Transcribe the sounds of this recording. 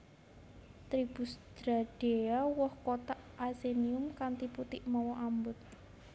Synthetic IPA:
t̪ɾib̥ṳsd̪̥ɾaɖ̥eawɔhkot̪aʔaseniʊmkant̪iput̪ɪʔmɔwɔʔambʊt̪̚

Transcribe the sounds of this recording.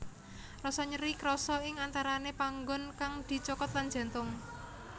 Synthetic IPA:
rɔsɔɲəɾikɾɔsɔɪŋant̪aɾanepaŋɡʊnkaŋd̪̥i̤t͡ʃɔkɔt̪lan̥d͡ʒ̥a̤nt̪ʊŋ

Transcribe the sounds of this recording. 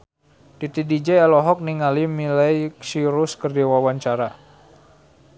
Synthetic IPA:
d̥it̪idid͡ʒɛalɔɦɔk̚niŋalimilajsiɾuskərd͡ʒawawaɲt͡ʃaɾa

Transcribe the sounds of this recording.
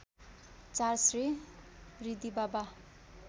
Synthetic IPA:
t͡sarsri | rid̪ibaba

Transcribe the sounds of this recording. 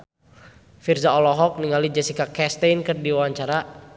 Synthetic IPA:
firzaɔlɔɦɔk̚niŋalid͡ʒasikakɛst̪ɛjnkɨrdiwawaɲt͡ʃaɾa

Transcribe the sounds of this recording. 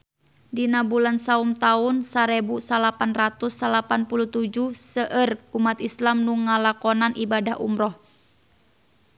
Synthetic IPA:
dinabulansaumt̪aunsaɾɛbusalapanrat̪usːalapanpuluht̪ud͡ʒusəʔərumat̪islamnuŋalakɔnanʔibadaɦṵmɾɔh

